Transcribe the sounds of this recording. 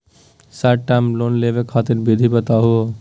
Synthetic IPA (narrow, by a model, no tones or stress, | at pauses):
saʈʈːamlonlebekʰat̪iɾbid̪ʱibət̪aɦuo